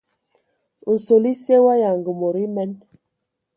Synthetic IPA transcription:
u˨n˨so˨li˦se˦wa˦ja˨ŋɡə˨mo˨ɾi˦mɛ˦n

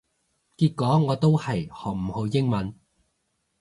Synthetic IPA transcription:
kiː˧t̚kɔː˨˥ŋɔː˨˧t̪o˥whɐ˨jhɔː˨k̚m̩˨˩ho˨˧wjɪ˥ŋmɐ˨˥n

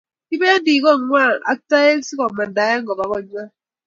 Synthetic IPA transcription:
ki˦be˦a˦ndi˨kɔ˦˨ŋwa˦˨a̰˦ta˦je˦si˦kɔ˨ma˨da˨˦ja˦ŋ˦ɡɔ˨ba˨kɔ˦ɲ˦a˦

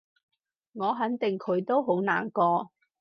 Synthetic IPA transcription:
ŋɔː˨˧ɦɐ˨˥nt̪ɪ˨ŋkʰɵ˨˧˥ɥt̪o˥wɦo˨˥wnaː˨˩nkɔː˧

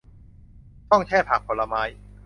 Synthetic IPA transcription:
t̪ɔ˥˩ŋt͡ɕʰɛː˥˩pʰaː˨˩k̚pʰo˨˩la˧maː˦˥j

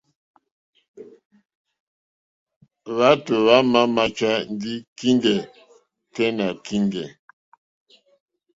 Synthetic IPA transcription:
ɣa˨˦tə˨βa˦ma˦ma˦t͡ʃa˦n˦di˦ki˦ŋdɛ˨ | tɛ˦na˨ki˦ŋɡɛ˨

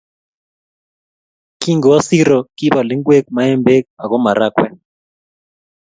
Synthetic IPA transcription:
ki˦ŋɡɔ˨wa˦si˦ɾɔ˨ki˦ba˨li˦ŋɡwe˦k̚ma˨ɛ˦mbe˦k̚a˨ɣɔ˦ma˨ɾa˦kwɛ˦

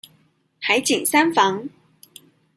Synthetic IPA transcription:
ha˨˥jt͡ɕi˨˩ŋsa˥nfɑ˨˥ŋ

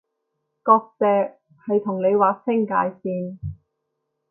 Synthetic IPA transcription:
kɔː˧k̚t͡sɛː˧k̚ | hɐ˨jt̪ʰʊ˨˩ŋle˨˧jwaː˨˧˥k̚sɪ˥ŋka̰ː˨˥jsiː˧n

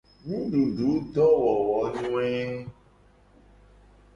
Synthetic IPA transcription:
nũ˦ɖu˨ɖu˨˦dɔ˦wɔ˨wɔ˨˦nũ˦ɛ˦˧

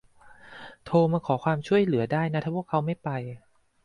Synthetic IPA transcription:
t̪ʰoː˧maː˧kʰɔː˩˦kʰwaː˧mt͡ɕʰu˥˩əjlɯ˩˦ɐdaː˥˩jna˦˥t̪ʰaː˧˥pʰu˥˩kʰːa˦˥wma˥˩jpa˧j

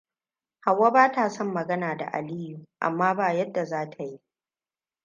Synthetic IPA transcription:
ha˨wːa˦baː˦taː˨sɔ˦mːɐ˨ɡɐ˦naː˨da̰˨ʔa̰˨liː˦ju˨ʔa̰˨mːaː˦baː˦˨jɐ˦dːa˨zaː˦tʰa˨ji˦ʔ

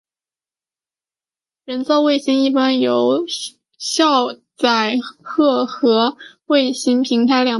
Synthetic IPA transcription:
ɻə˧˥nt͡sɑ˥˧we˥˩ɪɕi˥ni˥˩pa˥njo˨˩˥ʊ | ɕjɑ˥˧ʊt͡sa˥˨˩ɪxɤ˥˧xɤ˧˥we˥˩ɪɕi˥ŋpʰi˧˥ŋt̪ʰa˧˥ɪljɑ˨˩

